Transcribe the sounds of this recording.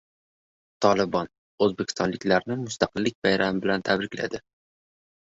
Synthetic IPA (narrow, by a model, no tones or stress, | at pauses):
t̪ʰɒlˠɪbɒn | ɵzbekʲʰɪ̥st̪ɒnlɪkʲlaɾnɪmʊst̪ʰaqɨlːɪk̚ʲbajɾamɪbɪlant̪ʰabɾɪkʲla̰d̪ɪ